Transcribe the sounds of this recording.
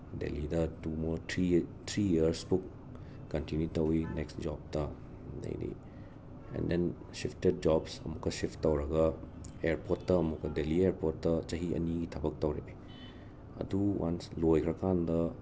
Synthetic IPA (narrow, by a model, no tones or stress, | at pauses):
dḛlidɐtumoɾtʰɾitʰɾiiɐɾspuk | kɐntinjutɐwineksd͡ʒɔb̚tɐ | nɐ̰jnḭ | ḛnden | sipʰted̚d͡ʒɔbsɐ̰mukːɐsiptːɐwɾɐɡɐeɾpotːɐːmukːɐdelieɾpotːɐt͡ʃɐɦiɐ̰niɡitʰɐbɐk̚tɐwɾḛbe | ɐ̰duwa̰nslojkʰɾɐkandɐ